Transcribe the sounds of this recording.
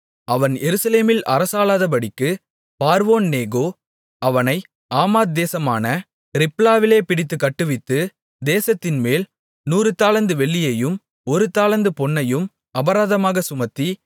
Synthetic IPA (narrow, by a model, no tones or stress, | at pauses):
ɐʋɐnjɛɾɯsɐleːmɪlʔɐ̰ɾɐsaːlaːðɐpɐɽɪkːɯ | paːɾʋoːnːeːɡoː | ʔɐʋɐnɐɪ | ʔaːmaːt̪̚d̪eːsɐma̰ːnɐ | ɾɪplaːʋɪleːpɪɽɪt̪̬ːɯkːɐʈːɯʋɪt̪ːɯ | d̪eːsɐt̪ːɪnmeːl | nuːɾɯt̪ːaːlɐnd̪ɯʋɛɭːɪjɐjɯm | ɔɾɯt̪ːaːlɐnd̪ɯpɔɳːɐjɯm | ɐbɐɾaːðɐmaːɣɐsʊmɐt̪ːi